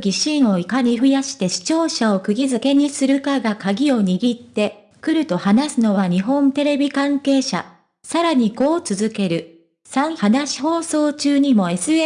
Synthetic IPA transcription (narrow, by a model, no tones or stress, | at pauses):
ɡʲiɕĩɰ̃o̞ikaɲ̟iɸɯ̟jaɕi̥t̪e̞ɕi̥t͡ɕo̞ːɕao̞kɯ̟ɡʲizɨke̞ɲ̟isɨɾɯ̟kaɡakaɡʲio̞ɲ̟iɡʲit̪ːe̞ | kɯ̟ɾɯ̟t̪o̞hanasɨno̞βaɲ̟iɦõ̞nt̪e̞ɾe̞bʲikãŋke̞ːɕa̰ | saɾaɲ̟iko̞ːt͡sɨzɨke̞ɾɯ̟ | sãɰ̃hanaɕi̥ɦo̞ːso̞ːt͡ɕɨːɲ̟imo̞e̞sɨe